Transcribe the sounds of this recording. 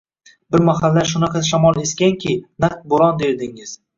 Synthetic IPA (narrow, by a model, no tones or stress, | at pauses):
bɪɾmaɦalːaɾʃ̬ʊnɑqʰɑʃamɒlˠeskʲaŋkʲʰɪnaq̚t̪̚boɾɒnd̪eɾd̪ɪŋɪz̥